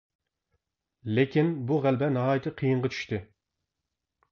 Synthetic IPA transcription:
lekʲinbuʁælbɛnɑɦɑːjit̪ʰɨqʰijɨɴʁɑt͡ʃʰy̥ʃt̪ɨ

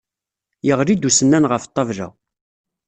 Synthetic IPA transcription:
jəʁɾid̪usənːænʁəft̪ˤːɑvʒæ̰

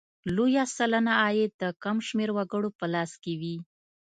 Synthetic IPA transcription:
lojasalanaːjed̪̥əkamʃmeɾwaɡəɽopəlɑskewi

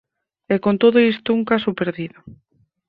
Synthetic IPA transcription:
ɛkont̪oðoist̪ʊuŋkasʊpeɾðiðo

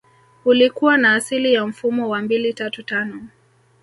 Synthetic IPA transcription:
ulikuwanaːsilijam̩fumɔwambilitatutanɔ

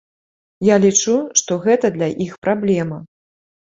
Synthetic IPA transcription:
jalʲit͡ʂuʂt̪ɔɣɛt̪ɐd̪lʲɐʔixpɾablʲɛmɐ

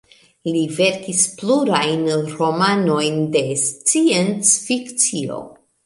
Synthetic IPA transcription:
live̞ɾkispluɾajnɾo̞mano̞jnde̞st͡sient͡sfikt͡sio̞̰

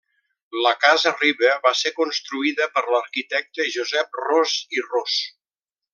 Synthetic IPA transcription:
ləkazəriβəβasekunst̪ɾuiðəpəɾləɾkit̪ɛk̚t̪əʒuzɛp̚roziros

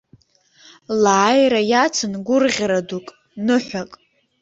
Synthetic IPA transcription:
laːjrajat͡sʰɨnɡʷʊrʁʲɾadukʼ | nɨħʷᶣakʼ

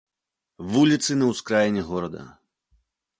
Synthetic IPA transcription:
vulʲit̪sɨnɐwskɾajɛnʲɛɣɔɾɐd̪ɐ̰

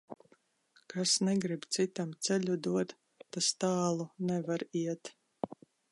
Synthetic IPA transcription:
kasnɛɡɾibt̪sit̪amt̪sɛlʲud̪uɔt̪ː | ast̪aːlˠunɛvaɾiɛt̪

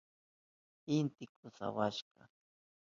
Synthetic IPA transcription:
ɪnt̪ɪkʊsa̰waʃɢɑ̰

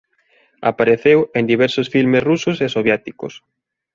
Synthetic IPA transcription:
a̰paɾeθewend̪iβ̞ɛɾsosfilmesrusʊsesoβjet̪iko̰s

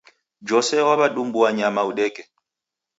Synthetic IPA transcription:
d͡ʒɔsɛwaβaɗumbuaɲamauɗɛːkʼɛ

